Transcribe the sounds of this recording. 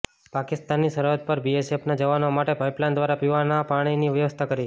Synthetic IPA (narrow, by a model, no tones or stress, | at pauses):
pakɪst̪anːisəɾjot̪̚pəɾbiesepnad͡ʒəʋanoamaʈepajplãnd̪ʋaɾapiʋanapaɽ̃iniʋjəʋəst̪ʰakəɾi